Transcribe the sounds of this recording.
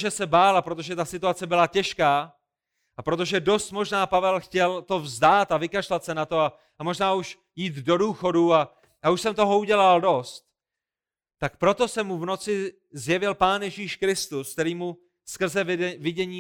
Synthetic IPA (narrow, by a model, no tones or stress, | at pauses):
ʒɛsɛbaːlapɾo̞t̪oʒɛt̪asɪt̪uat͡sɛbɪlacɛʃkaː | ʔapɾo̞t̪o̞ʒɛdo̞st̪mo̞ʒnaːpavɛlxcɛlt̪o̞vzdaːt̪avɪkaʃlat̪sɛnat̪o̞a | amo̞ʒnaːuʃ | jiːt̪do̞duːxo̞dua | ʔauʃsɛmt̪o̞ɦo̞uɟɛlaldo̞st̪̚ | t̪ak̚pɾo̞t̪o̞sɛmːuvno̞t͡sɪ | zjɛvɪlpaːnjɛʒiːʃkɾɪst̪usk̚t̪ɛɾiːmu | skr̩zɛvɪɟɛɲiː